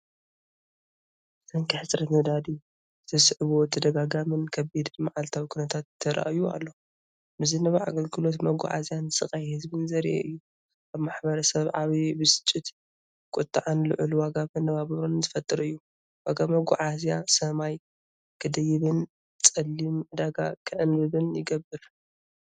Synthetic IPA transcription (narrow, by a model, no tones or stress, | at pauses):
sɐŋkʰiħɨt͡sʼɾɐt̪mɨd̪ad̪i | zɨt̪ʰɐsʕβot̪ʰːɐd̪ɐɡaɡamɨnkʰɐbid̪ɨnmaʕalt̪ʰawikʰunɐt̪ʰat̪ʰːɐɾa̰ʔjua̰lːo̞ | bɨzɨnːɐβaa̰ɡɐlɡɨlo̞t̪mɐɡṵʕa̰zijansɨχʼajhɨzbɨnzɐɾ̰ʔḛʔɨjːu | ʔaβmaħbɐɾɐsɐβʕaβibɨsɨ̥t͡ʃʼːit̪ | kʼʊt̪ʼːaʕanlɨ̰ʕluwaɡamɨnɐβaβɨβɾonzɨfɐt̪ʼɨɾɨjːu | waɡamɐɡṵʕazjasɐmaj | kʰɨd̪ɐjɪβɨn | t͡sʼɐlːimd̪aɡakʰɨʕɨnbɨβɨnjɪɡɐbːɨɾ